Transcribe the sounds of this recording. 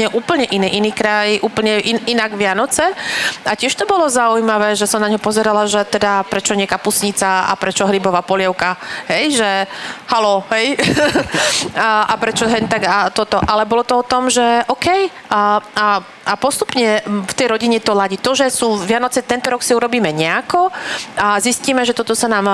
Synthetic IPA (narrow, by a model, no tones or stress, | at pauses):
ɲɛʔuːpl̩ɲɛʔiniːʔiniːkɾajʔuːpl̩ɲɛʔiinaɡʋɪanɔt͡sɛacɪɛʃt̪ɔbɔlɔzaujmaʋɛːʒɛsɔmnaɲɦɔpɔzɛɾalaʒɛt̪ɛd̪apɾɛt͡ʃɔɲɪɛkaːpusɲit͡saa̰pɾɛt͡ʃɔɦɾibɔʋaːpɔlɪɛʊkaɦɛjʒɛhalɔɦɛj | ʔapɾɛt͡ʃɔɦɛɲt̪aɡat̪ɔt̪ɔʔalɛbɔlɔt̪ɔɔt̪ɔmʒɛʔɔkɛj | aa | ʔapɔst̪u̥pɲɛft̪ɛjɾɔɟiɲɛt̪ɔɦlaɟit̪ɔʒɛsuːʋɪanɔt͡sɛt̪ɛnt̪ɔɾɔksiuɾɔbiːmɛɲɛakɔazisciːmɛʒɛt̪ɔt̪ɔsanaːm